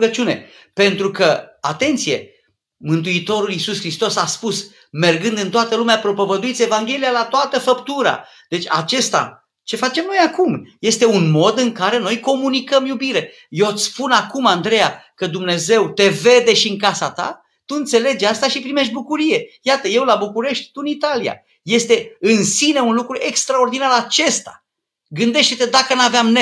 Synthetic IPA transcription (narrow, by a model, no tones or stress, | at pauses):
ɡət͡ʃʲune̞̰ | pe̞nt̪ɾukəat̪e̞nt̪sije̞̰ | mɨnt̪̬uit̪o̞ɾulisuskɾist̪o̞saspus | me̞rɡɨnd̪ɨnt̪oat̪əlumeapɾo̞po̞vəd̪uit̪sʲevaŋɡʲe̞lijalat̪oat̪əfəpt̪uɾa̰ | d̪̥e̞t͡ʃʲa̰t͡ʃe̞st̪a̰ | t͡ʃe̞fat͡ʃe̞mno̞jakumje̞st̪e̞unmo̞d̪ɨŋkaɾe̞no̞jko̞munikəmjubiɾe̞ | jot̪sʲpunakumand̪ɾe̞jakəd̪umne̞ze̞wt̪e̞ve̞d̪e̞ʃiɨŋkasat̪a̰ | t̪uɨnt̪se̞le̞d͡ʒʲast̪aʃipɾime̞ʃ̬t̪̚ʲbukuɾije̞jat̪əje̞wlabukuɾe̞ʃt̪̚ʲt̪uɨnit̪alia̰ | je̞st̪e̞ɨnsineunlukɾuʔe̞kst̪ɾao̞rd̪inaɾat͡ʃe̞st̪ḁ̰ | ɡɨnd̪e̞ʃt̪et̪e̞d̪akənaveamne